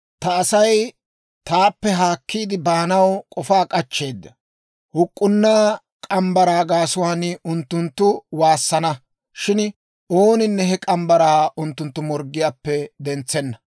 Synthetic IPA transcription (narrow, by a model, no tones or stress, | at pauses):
t̪ɐːsɐj | t̪aːpːɛɦaːkːiːd̪ɪbaːnɐwkʼɔfaːkʼɐt͡ʃːe̞ːd̪ːɐ | hʊkʼːʊnːaː | kʼɐmbɐɾaːɡaːsʊwaːnʊnt̪ːʊnt̪ːʊwaːsːɐnɐ | ʃɪn | o̞ːnɪnːɛɦɛkʼɐmbɐɾaːʔʊnt̪ːʊnt̪ːʊmɔɾɡɪjaːpːɛd̪ɛnt͡sːɛnːɐ